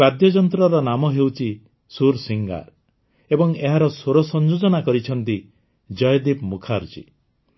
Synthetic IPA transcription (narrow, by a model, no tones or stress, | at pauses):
bad̪jɔd͡ʒɔnt̪ɾɔɾɔnamɔɦewt͡ʃʰi | suɾsiŋɡa̰ɾ | ebɔŋeɦaɾɔsoɾɔsɔnd͡ʒod͡ʒɔnakɔɾit͡ʃʰɔnt̪i | d͡ʒɔjɔd̪ibmukʰaɾt͡ʃḭ